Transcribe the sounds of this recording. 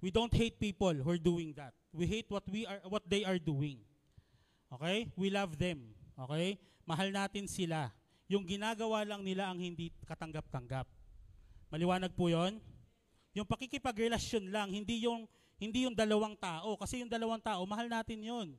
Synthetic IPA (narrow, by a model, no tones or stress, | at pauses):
wid̪ownt̪̚hejt̪̚piːpolhɛɹd̪uːɪŋd̪ɐt̪̚wiɦejt̪̚wɐt̪wiɐwɔt̪̚d̪ejɐɹd̪uːɪŋ | ʔo̞ːkɛjwilavðɛmʔo̞ːkɛj | mɐɦalnaːt̪ɪnsɪla | jʊŋɡɪnaːɡɐwalɐŋnɪlaʔɐŋhɪnd̪ikɐt̪ɐŋɡap̚t̪ɐŋɡap̚ | mɐlɪwaːnɐɡ̚pʊjo̞n | jʊŋpɐkɪkɪpɐɡɾɛlɐʃjonlaŋhɪnd̪ijʊŋ | hɪnd̪ijʊŋd̪ɐlɐwaŋt̪aːʔo̞kɐsɛjʊŋd̪ɐlɐwaŋt̪aːʔo̞mɐɦalnaːt̪ɪnjon